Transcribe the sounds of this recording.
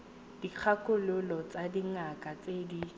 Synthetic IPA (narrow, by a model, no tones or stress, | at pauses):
d̥ik͡xʰakʼʊlʊlɔt͡sadiŋakʼat͡sedi